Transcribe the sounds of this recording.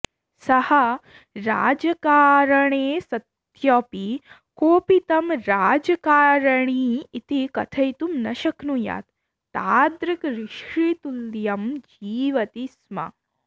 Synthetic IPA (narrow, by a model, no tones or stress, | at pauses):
sɐhɐ | ɾaːd͡ʒɐkaːɾɐɳeːsɐt̪ | jɔpi | koːpit̪ɐmɾaːd͡ʒɐkaːɾɐɳiːt̪ikɐt̪ʰɐjt̪umnɐʃɐknuja̰ːt̪ː | aːd̪ɾikɾiʃɾit̪ulːjɐmd͡ʒiːʋɐt̪ismɐ̰